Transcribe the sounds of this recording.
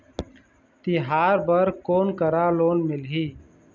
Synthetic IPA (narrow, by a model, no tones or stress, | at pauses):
t̪ɪɦaːɾbəɾkoːnkəɾaːloːnmɪlɦiː